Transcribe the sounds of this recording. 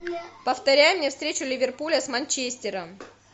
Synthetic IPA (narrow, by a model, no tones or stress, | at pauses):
pəft̪ɐɾʲæjʊmnʲefst̪ɾʲet͡ɕʊlʲɪvʲɪrpulʲəsmɐnʲt͡ɕesʲtʲɪɾəm